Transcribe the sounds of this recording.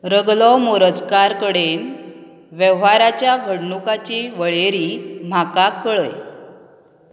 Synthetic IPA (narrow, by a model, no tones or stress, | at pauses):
ɾəɡlɔmoɾəd͡zkaɾkəɽen | ʋəʋɦaɾat͡ɕjaɡʱəɽɳukat͡ɕiʋəɭeɾiːm̤akakːəɭəj